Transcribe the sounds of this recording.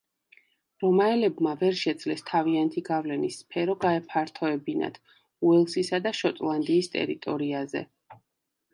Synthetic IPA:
ɾɔmaɛlɛbmavɛɾʃɛd̪zlɛst̪ʰaviant̪ʰiɡavlɛnisːpʰɛɾɔɡaɛpʰaɾt̪ʰɔɛbina̰t̪ʰ | uɛlˠsisad̪aʃɔt̪ʼlˠand̪iːst̪ʼɛ̰ɾit̪ʼɔɾiazɛ̰

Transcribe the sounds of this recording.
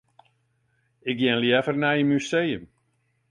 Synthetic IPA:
ɪk̚ɡjɛnljɛfərnajəmyseːjəm

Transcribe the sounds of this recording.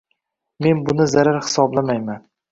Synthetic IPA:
me̞nbʊnɪzaɾaɾhɪ̥sɒblamajman

